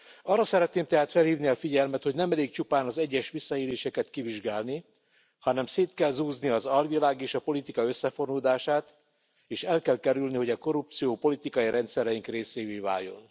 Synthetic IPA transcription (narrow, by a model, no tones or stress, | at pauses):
ɒrːɒsɛɾɛt̪neːmt̪ɛɦaːt̪fɛlhiːvniɒfiɟɛlmɛt̪ho̞ɟnɛmɛleːkt͡ʃupaːnɒzɛɟːɛʃʋisːɒeːleːʃɛkɛt̪kiviʒɡaːlni | hɒnɛmseːt̪kɛlzuːzniɒzɒlʋilaːɡeːʃɒpo̞lit̪ikɒøsːɛfo̞rnuːd̪aːʃaːt̪ | eːʃɛlkɛlkɛɾylniho̞ɟɒko̞ɾup̚t̪sijoːpo̞lit̪ikɒjiɾʔɛnt̪sɛɾɛjiŋkreːseːjveːva̰ːjːo̞̰n